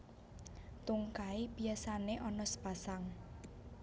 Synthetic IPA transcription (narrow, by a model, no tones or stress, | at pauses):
t̪uŋkaib̥iasaneʔɔnɔsə̥pasaŋ